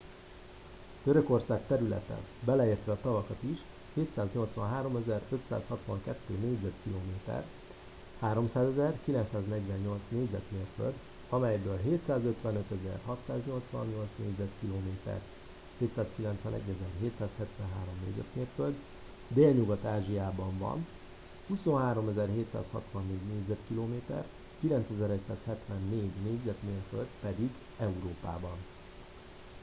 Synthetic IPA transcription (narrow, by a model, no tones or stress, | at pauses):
t̪øɾø̞ko̞rsaːk̚t̪ɛɾylɛ̰t̪ɛ̰bɛlɛeːrt̪ʋɛːt̪ɒvɒkɒt̪iʃ | heːt̪saːzɲo̞lt̪sʋɒ̰nɦaːɾo̞mɛzɛrøt̪sa̰ːshɒt̪ʋɒŋkɛt̪ːøːneːɟzɛt̪kiloːmeːt̪ɛ̰r | haːɾo̞msaːzɛzɛrkilɛnt̪saːznɛɟʋɛɲːo̞lt̪sneːɟzɛ̰t̪meːrfø̰ld̪ | ɒmɛjbøːlɦeːt̪saːzø̞t̪ʋɛnøt̪ɛzɛ̰rɦɒt̪saːzɲo̞lt̪sʋɒ̰nɲo̞lt̪snḛːɟzɛt̪kiloːmeːt̪ɛ̰r | heːt̪saːskilɛnt̪sʋɛnɛ̰ɟːɛzɛrɦeːt̪saːshɛt̪ʋɛnɦaːɾo̞mnḛːɟzɛ̰t̪meːrføld̪ | d̪eːlɲuɡɒt̪aːʒijaːbɒɱvɒ̰n | huso̞nɦaːɾo̞mɛzɛrɦeːt̪sa̰ːshɒ̰t̪ʋɒnːeːɟneːɟzɛt̪kiloːmeːt̪ɛ̰r | kilɛnt̪sɛzɛɾɛcsaːshɛt̪ʋɛnːeːɟneːɟzɛt̪meːrfø̰ld̪pɛd̪iɡ | ɛuɾoːpa̰ːbɒn